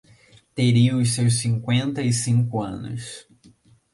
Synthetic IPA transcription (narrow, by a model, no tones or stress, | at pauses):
t̪eɾiʊssewsĩŋkwẽnt̪ɐisĩŋkʊɐ̰̃nʊ̰s